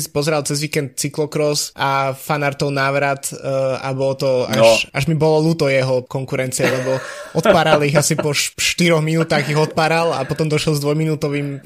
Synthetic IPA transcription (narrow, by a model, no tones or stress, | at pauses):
spɔzɛɾalt͡sɛzʋiːkɛnt̪̚t͡siklɔkɾɔsʔafanaɾt̪ɔʊnaːʋɾat̪a̰bɔlt̪ɔaʃʔaʒmibɔlɔluːt̪ɔjɛɦɔkɔŋkuɾɛnt͡siɛlɛbɔʔɔt̪̚paːɾaliɣasipɔʃʃt̪iɾɔɣminuːt̪aːɣiɣɔt̪̚paːɾala̰pɔt̪ɔmd̪ɔʃɛlzd̪ʋɔjminuːt̪ɔʋim